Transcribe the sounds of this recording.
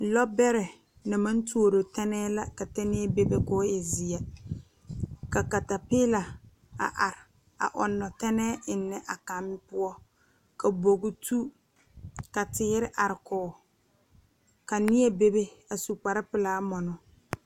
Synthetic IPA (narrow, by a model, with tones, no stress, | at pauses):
lɔ˦bɛ˦ɾɛ˨ | nɪ˨ma˦n˦tu˦o˦˨ɾo˨tɛ˦nɛː˦la˦ka˨tɛ˦nɪ˦ɛ˦be˦be˦kɔː˦ja˨zi˨a˨ | ka˨ka˨ta˨pɪ˦la˨ | a̰˨ʔa˨ɾɪ˨ | a̰˨ʔɔ˨nːɔ˨tɛ˦nɛː˦ɪ˨nːɛ˨ʔa˨ka˨m˦pʊ˦ɔ˦ | ka˨bo˨ɡʊ˦tu˦ | ka˨tɪː˦ɾɪ˦ʔa˨ɾɪ˨kɔː˨˦˨ | ka˨nɪ˦ɛ˦be˦be˦a˨su˨k͡pa˨ɾɪ˦pɪ˨laː˦mɔ˨nɔ˨